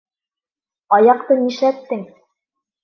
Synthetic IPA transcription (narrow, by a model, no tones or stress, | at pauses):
ɑjɑqt̪ɤniʃæt̪ːɘŋ